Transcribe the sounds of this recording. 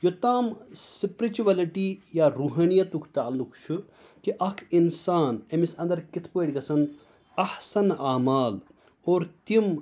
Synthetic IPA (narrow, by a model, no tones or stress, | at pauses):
jot̪aːmsipɾit͡ʃuʋɐliʈijaːɾuɦɐnijɐt̪ukʰt̪aɐlːukt͡ʃʰu | kiʔɐkʰinsaːnemisɐ̃nd̪ɐɾkit̪ʰpoeɽʲɡɐsɐn | ɐhsɐnaːmaːl | oːɾt̪im